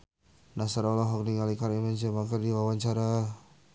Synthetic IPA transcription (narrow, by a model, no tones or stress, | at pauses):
nasaɾalaɦɔk̚niŋalikaɾimɛnd͡ʒəbaŋkardiwawaɲt͡ʃaɾa